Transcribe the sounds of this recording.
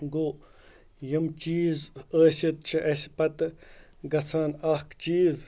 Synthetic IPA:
ɡo | jɐmt͡ʃiːzəːsit̪̚t͡ʃʰiʔɐsi̥pɐt̪ɨɡɐt͡sʰaːnɐhkt͡ʃiːz

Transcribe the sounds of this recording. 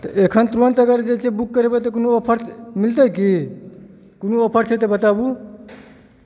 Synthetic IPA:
t̪əʔekʰənt̪ɾuənt̪əɡəɾd͡ʒet͡ʃebukːəɾebət̪əkunuopʰəɾt̪milt̪əki | kunuopʰəɾt͡ʃʰet̪əbət̪abu

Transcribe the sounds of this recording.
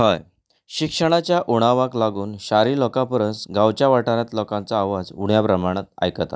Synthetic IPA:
ɦəj | ɕikʂəɽ̃at͡ɕjaʔoɽ̃aʋaklaɡuːnɕaɾilɔkapəɾənsɡawt͡ɕjaʋaʈanjat̪lɔkãnt͡saːʋad͡zuɳjapɾəmaɽ̃at̪̚a̰jkət̪a̰

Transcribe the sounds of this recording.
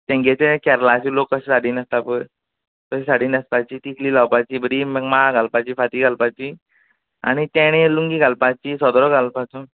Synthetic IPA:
t̪ẽŋɡet͡ɕekɛɾlasiːlokːəsesaɽiːnəst̪apəj | kəsesaɽiːnəspat͡ɕiːt̪ikliːlawpat͡ɕiːbəɽiməɡmaɦaɡʱalpat͡ɕiːfat̪iːɡʱalpat͡ɕiː | a̰ɽ̃it̪eɽ̃ẽluŋɡiːɡʱalpat͡ɕiːsɔd̪ɾɔɡʱalpat͡sɔ

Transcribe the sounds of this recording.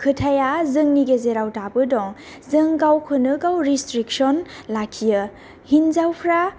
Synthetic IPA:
kʰɯtʰajazɯŋniɡezeɾawtabɯdɔŋ | zɯŋɡawkʰɯnɯɡawɾistɾik̚sɔnlakʰijɯ | hinzawpʰɾa

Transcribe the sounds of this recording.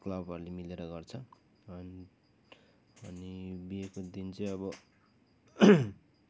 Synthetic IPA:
klʌbʌɾulemileɾʌɡʌrt͡sʰʌ | ʌni | ʌnibiekod̪int͡sʌj̃ʌbʌ

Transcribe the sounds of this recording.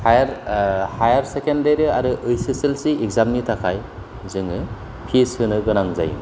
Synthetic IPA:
hajaɾhajaɾsekendeɾiaɾɯʔɯjsiselsieɡ̚zamnitʰakʰaj | zɯŋɯ | pʰiesɯnɯɡɯnaŋza̰jɯ̰m

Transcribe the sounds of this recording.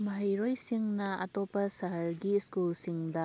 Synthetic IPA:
mɐɦɐjɾojsiŋnɐɐ̰topːɐsɐɦɐɾɡiskulsiŋdɐ

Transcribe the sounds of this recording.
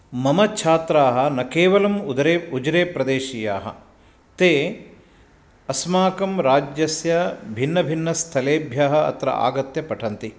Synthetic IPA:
mɐmɐt͡ʃʰaːt̪ɾaːɦɐ̆nɐkeːʋɐlɐmd̪ɾeːud͡ʒɾeːpɾɐd̪eːʃiːjaːɦɐ̰ | t̪eː | ɐsmaːkɐmɾaːd͡ʒjɐsjɐbʱinːɐbʱinːɐst̪ʰɐleːbʱjaːɦɐɐ̰t̪ɾɐ̰ʔa̰ːɡɐt̪jɐpɐʈʰɐnt̪i

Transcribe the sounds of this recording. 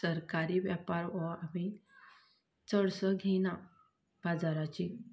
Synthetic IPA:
səɾkaɾiʋjapaɾʋɔami | t͡səɽsəɡʱena | b̥ad͡zaɾat͡ɕi

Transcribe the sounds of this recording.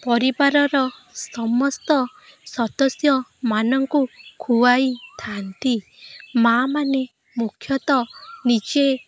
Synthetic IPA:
pɔɾibaɾɔɾɔsɔmɔst̪ɔ | sɔd̪ɔsjɔmanɔŋkukʰuwait̪ʰant̪i | mamane | mukʰjɔt̪ɔnit͡ʃe

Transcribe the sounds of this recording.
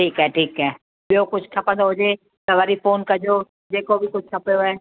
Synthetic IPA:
ʈʰiːkɦɛːʈʰiːkɦɛː | biokʊt͡ʃʰʈʰɐpãd̪aɦod͡ʒeː | sɐʋaːɾifoːnkad͡ʒoː | d͡ʒeːkobʱikʊt͡ʃʰʈʰɐpeoɛː

